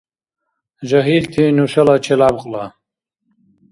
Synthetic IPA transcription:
ʒɐɦilt̪ʰinuʃɐlat͡ʃʰelaːbqʼla

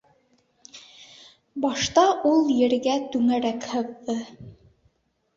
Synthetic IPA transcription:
bɑʃt̪ɑʔulˠjɘ̆ɾɡæt̪ʉŋæɾækhɤ̆ðːɤ

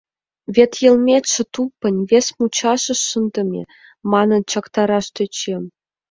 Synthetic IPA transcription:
vʲet̪jɤ̆lmʲet̪ʲʃɤ̆t̪upːɤ̆nʲvʲesʲmut͡ɕɑʃɤ̆ʃənd̪ɤ̆mʲḛ | mɑnɤ̆nt͡ɕɑkt̪ɑɾɑʃt̪ĕt͡ɕem

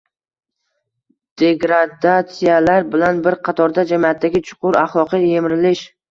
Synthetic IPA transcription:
d̪̥e̞ɡɾad̪at̪sɪjalaɾbɪlanbɪɾqʰɑt̪ʰɒɾd̪ad͡ʒamiat̪ʰːaɡʲɪt͡ʃʰʊ̥qʊɾaχlˠɒqɨjjemɪɾɪlɪʃ

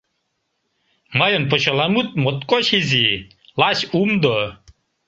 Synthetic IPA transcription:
majonpɔɕɔlamut̪̚mɔt̪kʼɔɕizi | laɕumd̪ɔ

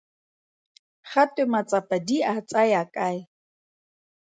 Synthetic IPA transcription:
χat̪ʼʊmat͡sʼapad̪iʔat͡sʼajakʼaj

